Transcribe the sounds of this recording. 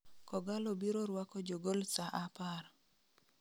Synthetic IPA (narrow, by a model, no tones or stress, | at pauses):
kɔɡalobiɾoɾwakɔd͡ʒoɡolsaʔapar